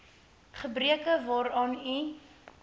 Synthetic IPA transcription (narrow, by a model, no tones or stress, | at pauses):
χəbriəkəvɑːɾɑːni